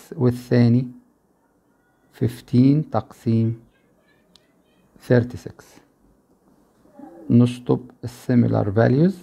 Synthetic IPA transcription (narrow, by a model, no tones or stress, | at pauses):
wɪθːaːni | fɪft̪ʰiːnt̪ɑqsiːm | θeɾt̪isɪks | nʊʃt̪ˤʊbɪsːɪmɪ̰la̰ɾˤvæ̰ljʊz